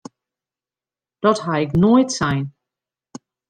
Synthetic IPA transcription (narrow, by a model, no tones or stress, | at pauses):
d̥ɔthaɪknojtsɛjn